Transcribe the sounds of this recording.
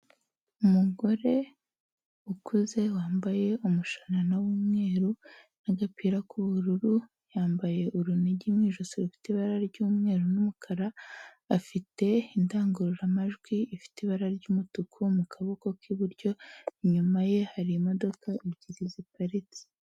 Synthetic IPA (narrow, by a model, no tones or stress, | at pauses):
umuɡo̞ɾe̞ | ukuze̞waːmbaje̞umuʃananawuːmŋe̞ːɾunaɡapʰiːɾakuβuɾuɾu | jaːmbaje̞uɾuneɟimŋiːʒosuɾifi̥tiβaɾaɾɟuːmŋe̞ːɾunumukʰaɾaː | fite̞intaːŋɡuɾuɾamaʒɡwiːfi̥tiβaɾaɾɟuːmutukʰumukʰaβokokʰiβuɾɟo̞ɲumaje̞haɾimo̞do̞kʰaibɟiɾizipaɾit͡si̥